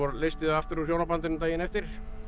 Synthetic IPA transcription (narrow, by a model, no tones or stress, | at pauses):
ɔɾleːjst̪ɪðaaft̪ʏɾuçjoːwnapant̪ɪnːmt̪aːjɪnɛft̪ɪɾ̥